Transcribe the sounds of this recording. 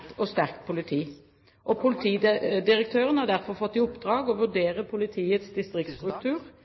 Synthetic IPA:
t̪ɔst̪æʁkt̪pʰʊlɪt̪ʰiː | ʔɔpʰʊlɪt̪ʰiːd̪ɪʁək̚t̪ʰøːʁənəhɑd̪æʁfɔʁfɔt̪ːɪʊpːd̪ʁɑːɡɔʋʉɖ̪eːʁəpʰʊlɪt̪ʰiːət̪sd̪ɪst̪ʁɪkt̪st̪ʁʉk̚t̪ʰʉːʁ

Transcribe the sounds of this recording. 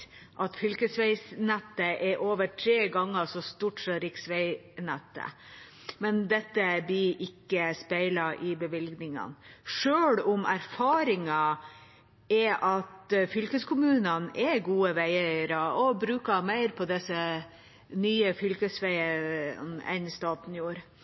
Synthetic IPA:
ʔɑt̪fʏlkəsʋæɪsnɛt̪ːəʔɛɾʔoːʋəʈʰɾeːɡɑŋːəsɔst̪uːʈsɔɾɪksʋæɪnɛt̪ːə̰ | mɛnd̪ɛt̪ːəblɪʔɪkːəspæɪlɑʔɪbəʋɪlɡnɪŋə̰nʂøːɽʊmæɾfɑːɾɪŋɑ | ɛʔɑt̪fʏlkəskʰʊmʉːnənɛɡuːəʋæɪəɾɔɔbɾʉːkɑmæɪɾpʰɔd̪ɛsə | nyːəfʏlkəsʋæɪənɛ̰nst̪ɑːt̪n̩juːɾ

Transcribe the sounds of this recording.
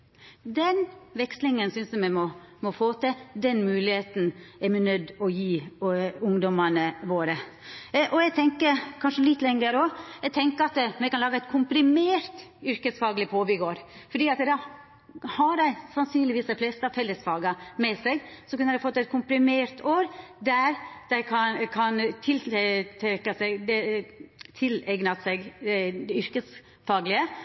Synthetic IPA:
d̪ɛnʋɛkslɪŋənsʏnsd̪ɛmɛmɔ | mɔfoːt̪ʰɛd̪ɛnmʉːlɪheːt̪n̩ɛɾmɛnœd̪ːɔjiːʊŋd̪ɔmɑnəʋoːɾə | ʔɔɛɡt̪ʰɛŋkəɾkʰɑnʂəlɪt̪ːlɛŋəɾɔɛɡ̚t̪ʰɛŋkəɾɑt̪mɛkɑnlɑːɡɑɛt̪̚kʰʊmpɾɪmeːɾt̪ʏɾkəsfɑːɡlɪpʰoːbɪɡoːɾfɔɖiːɑt̪d̪ɑ | hɑɖæɪsɑnsyːnlɪʋiːsd̪æɪflɛst̪əɑʋfɛlːəsfɑːɡɑmɛsɛɡsɔkʉnəɾd̪æɪfɔt̪ːɛɪt̪̚kʰʊmpɾɪmeːɾt̪ʰoːɾd̪æɾd̪̥æɪkʰɑnkʰɑnt̪ʰɪlt̪ʰɾɛkːɑsɛɡd̪ɛ | t̪ʰɪlɛɡnɑsɛɡd̪ɛʏɾkəs | fɑːɡlɪə

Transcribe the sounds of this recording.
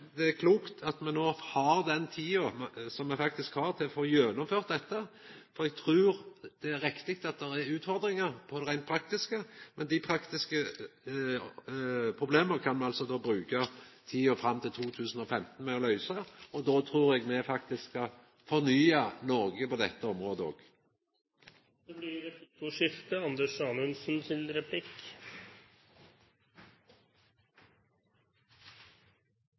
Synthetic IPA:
d̪ɛækʰluːkt̪ʰɑt̪mɛnnoːhɑɾd̪ɛnt̪ʰiːʊsɔmːɛfɑkt̪ɪskhɑɾt̪ʰɪlfoːjøːnʊmføːʁt̪̚d̪ɛt̪ːəfɔɾɛɡ̚t̪ʰɾʉːɾd̪̥ɛæɾːɪkt̪ɪk̚t̪ɑt̪̚d̪ɛɾæɾʉːt̪fɔɾd̪ɾɪŋəɾpʰɔʁæɪnt̪̚pʰɾɑk̚t̪ɪskəmɛnd̪ɪpʰɾɑkt̪ɪskə | pʰɾʊbleːməkʰɑnmɛɑlsɔd̪oːbɾʉːkət̪ʰiːoːfɾɑmːt̪ʰɪlt̪ʰuːt̪ʰʉːsn̩ɔfɛmt̪n̩mɛːɔlœʏsəɔd̪oːt̪ʰɾuːʁɛɡmɛfɑk̚t̪ɪskɑ | fɔʁnyːɑnɔːɡəpɔd̪ɛt̪ːəɔmʁoːd̪əo̰ːɡ | d̪̥ɛblɪɾɛtuʂɪft̪əɑnd̪əʂɑːnʉnsn̩sɪnɾɛpʰlɪk

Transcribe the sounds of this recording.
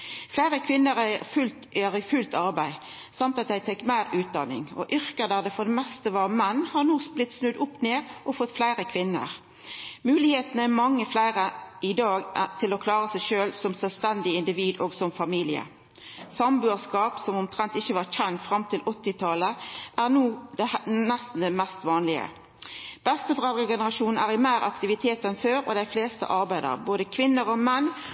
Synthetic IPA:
flæɪʁəkʰʋɪnːəʁæfʉlt̪ɛʁfʉlt̪ɑɾbæɪ | sɑmt̪ɑt̪̚d̪æɪt̪ʰɛkːmæɪʁʉːt̪̚d̪ɑːnɪ̰ŋɔ̰ʔʏʁkəd̪æd̪ɛfɔd̪ɛmɛst̪əʋɑːʁmɛnːhɑnuːsblɪt̪snʉd̪ʊpːneːʁʔɔfɔt̪ːflæɪʁəkʰʋɪnːə̰ʁ | mʉːlɪheːt̪nəæmɑŋːəflæɪʁəʔɪd̪ɑːɡt̪ʰɪlɔkʰlɑːʁəsæɪʃøːlsɔmsœlʋst̪ɛnd̪ɪɪnd̪ɪʋiːd̪oːɡsɔmfɑmiːlɪə̰ | sɑmbʉːskɑːpsɔmʊmt̪ʰʁɛnt̪ɪçəʋɑːʁçɛnt̪fʁɑmt̪ʰɪlʔɔt̪ːɪt̪ʰɑləʔæʁnuːd̪ɛnæst̪n̩d̪ɛmɛst̪ʋɑːnlɪə̰ | b̥ɛst̪əbʁɑːd̪ʁəɡɛnəʁɑʃuːnn̩æːʁɪmæɪɾɑ̰kt̪ɪʋɪt̪ʰeːt̪ɛnføːɾɔ̰d̪æɪfleːst̪ə̰ʔɑʁbæɪd̪ə̰ʁboːd̪əkʰʋɪnːəʁɔmɛnː

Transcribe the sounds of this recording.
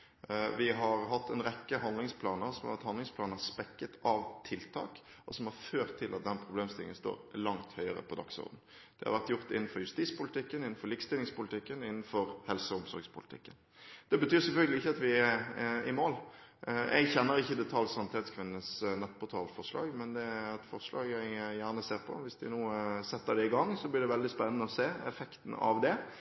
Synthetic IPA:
ʋɪɦɑɾɦɑt̪ːɛnʁɛkːəɦɑnd̪lɪŋspʰlɑːnəsɔmɑ̰ʋæt̪hɑnd̪ɪŋspʰlɑːnəspɛkːət̪ʰɑʋt̪ʰɪlt̪ʰɑ̰ːk | ʔɔsɔmhɑɾføːʁt̪ʰːɪlʔɑt̪̚d̪ɛnpʰɾʊbleːmst̪ɪlɪ̰ŋənst̪o̰ːɾlɑŋt̪hœʏəʁə̰pʰɔd̪ɑ̰ksɔ̰ʁd̪n̩ | d̪̥ɛhɑ̰ɾʋæʁt̪jʊʁɾt̪ɪ̰nn̩fɔɾjʉst̪it̪spʊlɪt̪ɪkːənɪnːn̩fɔɾlɪkst̪ɪlɪŋspʊlɪt̪ɪkːənɪnːn̩fɔɾhɛlsəʊmsɔ̰ɾɡspʰʊlɪt̪ɪ̰kːən | d̪̥ɛbət̪ʰyːʁsɛlfœlɡəlɪɪçːəɑt̪ʋɪæɪmoːljɛ̰ɡçɛnːəɾʁɪçːəd̪ɛt̪ʰɑlsɑnɪt̪ɛːt̪skʰʋɪnːəsnɛt̪ːpʰʊt̪ʰɑːlfɔʁʂlɑ̰ːɡmɛnd̪ɛæɾɛt̪fɔʁʂlɑːɡɛɡjæːʁnəseːʁpʰɔ̰ʋɪsd̪ɪnuːsɛt̪ːəd̪ɛɪɡɑŋːsɔblɪʁd̪ɛʋɛld̪ɪspɛnːənəɔseːɛ̰fɛkt̪n̩ɑ̰ʋd̪ɛ

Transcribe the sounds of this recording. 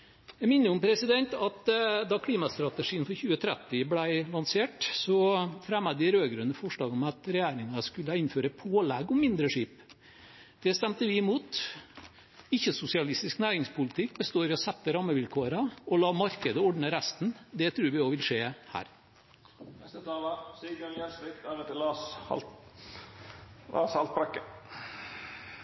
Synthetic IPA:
jæɪmɪnːəʊmpʰɾɛsɪd̪ɛnt̪ɑt̪d̪ɑkʰliːmɑst̪ɾɑt̪əʂiːənfɔɾçʉːət̪ʰɾɛt̪ːɪblæɪlɑnseːʈsɔfɾæməd̪ɪɾøːɡɾʉnəfɔʂɭɑːɡɔmɑt̪ɾɛjæːɾɪŋɑskʉləɪnføːɾəpʰoːlɛɡɔmːɪnd̪ɾəʂiːp | d̪̥ɛst̪ɛmt̪əʋɪmuːt̪ | ɪçːəsʊsɪɑlɪst̪ɪsknæːɾɪŋspʊlɪt̪ʰɪk̚ːbəst̪oːɾɪɔsɛt̪ːəɾɑmːəʋɪlkʰuːɾɑɔlɑːmɑɾkəd̪əɔɖnəɾæst̪nd̪ɛt̪ʰɾʉːɾʋɪoːʋɪlʂeːhæ̰ːɾ | nɛst̪ət̪ʰɑːlɑsiːɡənjæslɪkt̪ɑɾət̪ɪlɑsɑ̰l | lɑ̰ːshɑlt̪̚pɾɑkːə

